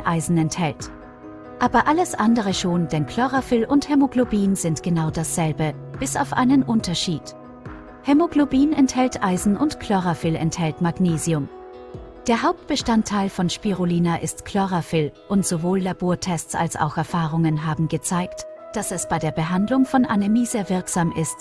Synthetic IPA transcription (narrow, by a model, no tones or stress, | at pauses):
ʔaɪzn̩ɛnthɛlt | ʔaːbɐʔaləsʔandəʁ̞əʃoːnd̥ɛnkʰl̥ɔʁafɪlʔʊnthɛmoɡlobiːnzɪntɡ̥ənaʊd̥asz̥ɛlbəb̥ɪsa̰ʊfʔa̰ɪnənʔʊntɐʃiːt | hɛmoɡlobiːnɛnthɛltʔaɪzn̩ʔʊntkl̥ɔʁafɪlɛ̰nthɛltmaɡneːziʊm | d̥eːɐɦaʊp̚t̚b̥əʃtantʰːaɪlfɔnʃpiʁoliːnaʔɪstkʰl̥ɔʁafɪlʔʊntz̥ovoːlːaboːɐtʰɛst͡sa̰lsa̰ʊxɛɐfaːʁ̞ʊŋənɦaːbm̩ɡət͡saɪktd̥asɛsb̥aɪdeːɐbəɦandlʊŋfɔnʔanemiːzeːɐvɪɐkz̥aːmʔɪst